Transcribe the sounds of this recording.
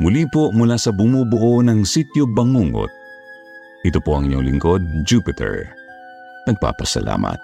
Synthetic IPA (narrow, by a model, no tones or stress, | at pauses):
mʊliːpomʊlasɐbʊmubʊʔonɐŋsit̪jobɐŋuːŋo̰t̪̚ | ʔɪt̪opo̞ʔɐ̰ŋɪɲoŋlɪŋko̞d̪̚d͡ʒuːpɪt̪ʰɛ̰ɹ | nɐɡ̚pa̰ːpɐsɐ̰lʔa̰ːmɐ̰t̪̚